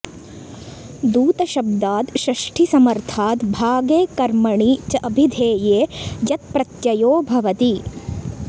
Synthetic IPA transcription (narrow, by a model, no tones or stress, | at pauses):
d̪uːt̪ɐʃɐb̚d̪aːt̪ʃɾɐʂʈʰisɐmɐɾt̪ʰaːt̪bʱaːɡeːkɐɾmɐɳit͡ʃɐʔɐbʱid̪ʱeːjeːjɐt̪̚pɾɐt̪jɐjoːbʱɐʋɐt̪i